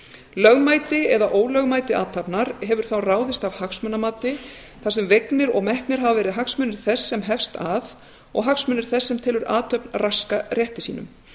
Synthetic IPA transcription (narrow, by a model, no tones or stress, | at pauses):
lœɣmaːjt̪ɪɛðaʔoːwlœɣmaːjt̪ɪa̰ːt̪ʰapnaɾɦɛvʏɾ̥θawraːwðɪst̪avhaksmœnamaːt̪ɪ | θas̬ɛmveknɪɾɔɣmɛht̪nɪɾ̥ɦavavɛːɾɪðɦaksmœːnɪɾ̥θɛsːɛmɦɛfst̪aθ | ɔ̰ɣɦaksmœːnːɪɾ̥θɛsːɛmt̪ʰɪlʏɾaːt̪ʰœpnrʔaskarjɛht̪ɪsiːnʏ̰m